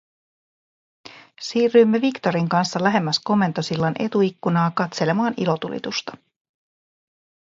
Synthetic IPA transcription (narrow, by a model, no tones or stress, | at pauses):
siːrːymːe̞ʋikt̪o̞ɾiŋkɑnsːɑlæɦe̞mːæsko̞mːe̞nt̪o̞silːɑne̞̰t̪uikːunɑːkɑt̪se̞le̞mɑːnilo̞t̪ulḭt̪ust̪ɑ̥